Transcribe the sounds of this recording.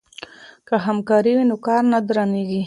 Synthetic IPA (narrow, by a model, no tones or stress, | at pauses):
kəɦamkɑɾiwinokɑɾnad̪ɾaneɡi